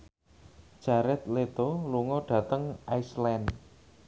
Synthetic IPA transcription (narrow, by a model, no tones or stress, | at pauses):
d̥ʒ̥a̤ɾɛt̪let̪oluŋɔɖ̥ä̤t̪əŋajslɛn